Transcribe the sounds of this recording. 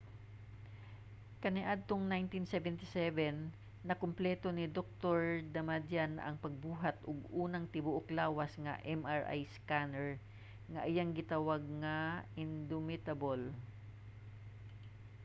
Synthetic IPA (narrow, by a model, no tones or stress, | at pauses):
kɐnɪʔad̪̚t̪oŋnajnt̪insɛvɛnt̪ɪsɛvɛnː | ɐkʊmplɛːt̪o̞nɪd̪ok̚t̪oɹd̪ɐmad̪janʔɐŋpɐɡ̚buːɦɐt̪ʔʊɡʔuːnɐŋt̪ɪbʊʔoklaːwɐsŋɐ̰ʔɛmʔaɹʔa̰jskanɛɹ | ŋɐʔɪjaŋɡɪt̪awaɡ̚ŋɐɪnd̪ʊmɪt̪ɐbol